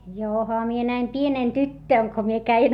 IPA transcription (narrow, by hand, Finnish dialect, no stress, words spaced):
johɑ mie næim pieneˑn tytːøˑn ko mie kæin